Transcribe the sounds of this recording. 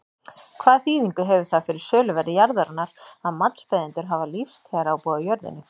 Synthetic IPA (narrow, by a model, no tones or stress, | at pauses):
kʰv̥aːðθiːðiŋkʏɦɛvʏ̥θafɪɾɪɾ̥sœːlʏvɛɾɪjaɾðaɾanːaɾaðmat̪nspɛjðɪnt̪ʏɾɦavalifst̪ʰɛːɾaːwpɔːðajœɾðɪ̰nːɪ